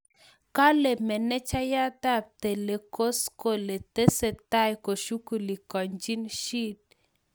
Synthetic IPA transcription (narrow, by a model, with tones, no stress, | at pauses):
ka˦le˨mɛ˨nɛ˦t͡ʃa˦ja˦t̪a˦˨p̚t̪e˨le˨ko˦sko˨le˨t̪e˦se˨t̪a˦jko˨ʃu˦ku˨li˨kɔ˨ɲd͡ʒi˦nʃi˦t̚